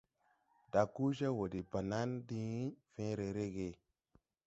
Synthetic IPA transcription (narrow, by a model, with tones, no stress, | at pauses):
da˨ku˦ʃa˦wo˨di˨ba˨na˦ndi˦fẽ˦ɾe˨ɾe˦ɡe˨